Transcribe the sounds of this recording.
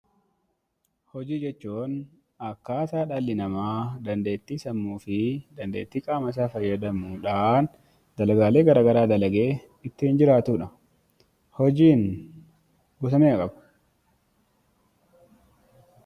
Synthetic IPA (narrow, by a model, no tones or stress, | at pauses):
hɔd͡ʒiːd͡ʒɛt͡ʃːuːn | ɐkːaːsaːᶑalːɪnɐmaːd̪ɐnd̪e̞ːt̪ːiːsɐmːuːfɪd̪ɐnd̪e̞ːt̪ːiːkʼaːmɐs̬aːfɐjːɐd̪ɐmuːᶑaːn | d̪̥ɐlɐɡaːle̞ːɡɐɾaːɡɐɾaːd̪ɐlɐɡe̞ː | ɪt̪ːɪhɪnd͡ʒɪɾaːt̪uːᶑɐ | hɔd͡ʒiːn | bʊsɐmeːɐkʼɐbɐ̥